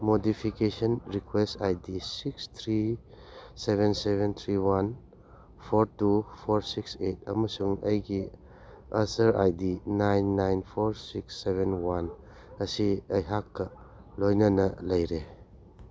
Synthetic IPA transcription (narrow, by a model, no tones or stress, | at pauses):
modipʰikesɔnɾikwestajdisikst̪ʰɾi | sebensebʱent̪ʰɾiwan | pʰoɾtupʰoɾsikset̚ɐmɐsuŋɐjɡi | ɐsɐɾa̰jdinajnːajnpʰoɾsiksːeβenwan | ɐsiɐjɦakːɐ | lojnɐnɐlɐjɾe